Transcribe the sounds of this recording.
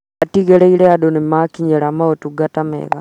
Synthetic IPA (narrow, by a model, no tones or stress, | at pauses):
atiɣeleileadonimakiɲeɾamaotuɡatamḛɣa